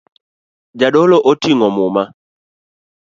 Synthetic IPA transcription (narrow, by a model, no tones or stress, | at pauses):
d͡ʒaɗɔlɔʔɔtiŋɔmʊma